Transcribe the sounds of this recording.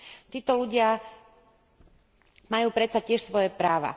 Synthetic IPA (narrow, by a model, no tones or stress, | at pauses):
t̪iːt̪ɔluɟɪa | majuːpɾɛt̪t͡sacɪɛʃsʋɔjɛpɾaːʋa̰